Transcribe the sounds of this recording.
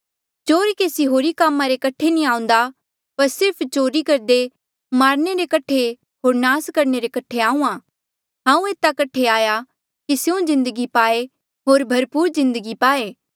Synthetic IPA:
t͡ʃoːɾikeːsiɦoːɾikaːmːãɾekɐʈʰenĩãːʊ̃n̆d̪a | pɐɾsɪɾpʰt͡ʃoːɾikɐɾd̪e | maːɾneɾekɐʈʰːe | ɦoːɾnaːskɐɾneɾekɐʈʰeaːũːãː | ɦãːũeːt̪akɐʈʰeaːja | kisjõzɪ̃nd̪əɡipaːe | ɦoːɾbʱɐɾpuːɾzɪ̃nd̪əɡipaːeː

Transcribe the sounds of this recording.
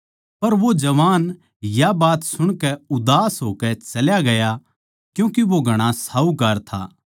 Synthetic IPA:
pɐɾʋod͡ʒɐʋaːn | jabaːt̪sʊɽ̃kɛʊd̪aːsɦoːkɛt͡ʃɐljaɡɐja | kjũːkiʋoɡʱɐɽ̃asaːukɐɾt̪ʰa̰ː

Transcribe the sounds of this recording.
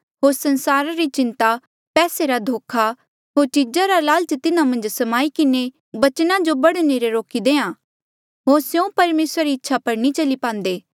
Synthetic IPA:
ɦoːɾsɐnsaːɾaɾit͡ʃɪ̃nt̪a | pɛːseɾad̪ʱoːkʰa | ɦoːɾt͡ʃid͡ʒaɾalaːlt͡ʃət̪ɪnãmɐ̃nd͡ʒsɐmaːikɪne | bɐt͡ʃnãd͡ʒobɐɽneɾeɾoːkid̪eːãː | ɦoːɾsjõpɐɾmeːsɾaɾiɪtːʃʰapɐɾnit͡ʃɐlipãːnd̪eː

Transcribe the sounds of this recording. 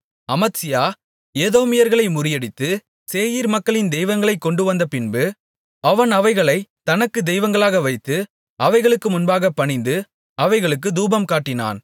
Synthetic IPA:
ɐmɐt̪sɪjaː | eːðoːmɪjɐɾɣɐɭɐɪmʊɾɪjɐɽɪt̪ːɯ | seːjiːɾmɐkːɐɭɪnd̪ɛɪʋɐŋɡɐɭɐɪkːɔɳɖɯʋɐnd̪ɐpɪnbɯ | ɐʋɐnɐʋɐɪɣɐɭɐɪt̪ɐnɐkːɯd̪ɛɪʋɐŋɡɐɭaːɣɐʋɐɪt̪ːɯ | ɐʋɐɪɣɐɭɯkːɯmʊnbaːɣɐpːɐɳɪnd̪ɯ | ɐʋɐɪɣɐɭɯkːɯd̪uːbɐmkaːʈːɪna̰ːn

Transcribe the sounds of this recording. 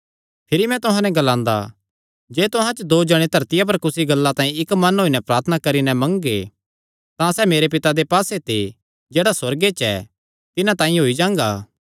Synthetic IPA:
pʰɪɾimɛ̃t̪ʊɦãnɛɡɐlãːnd̪a̰ | d͡ʒeːt̪ʊɦãt͡ʃd̪oːd͡ʒɐɽ̃et̪ʰɐɾt̪ɪjap̬ɐɾkʊsiɡɐlːat̪ãːĩɪkmɐnɦoːinɛpɾaːɾt̪ʰənakɐɾinɛmɐ̃ŋɡḛ | t̪ãsɛːmeːɾep̬ɪt̪ad̪epaːset̪ʰe | d͡ʒeːɽaswɐɾɡet͡ʃɛ̰ | t̪ɪnãt̪ãːĩɦoːid͡ʒãːŋɡaː

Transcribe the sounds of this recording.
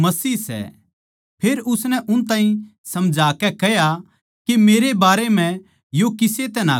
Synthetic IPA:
mɐsiːsɛ̰ | pʰeːɾʊsnɛʔʊnt̪aːɦĩsɐmd͡ʒʱaːkɛkɛja | kemeːɾebaːɾem̤ɛ̃ | jokɪset̪ɛna

